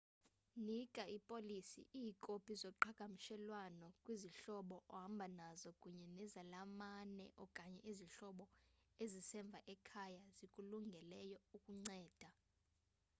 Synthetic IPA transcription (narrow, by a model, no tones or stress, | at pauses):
nikʼaipʼolisḭʔikʼopʰizɔǃʰakʼamiʃɛlwanɔkʼwiziɬɔɓɔʔɔɦambʱanazɔkʼuɲɛnɛzalamanɛ̰ʔɔkʼaɲɛʔiziɬɔɓɔezisɛɱb̪vʱaʔɛkʰajazikʼuluŋɡʱɛlɛjɔukʼuŋ͡ǀɛːd̥ʱa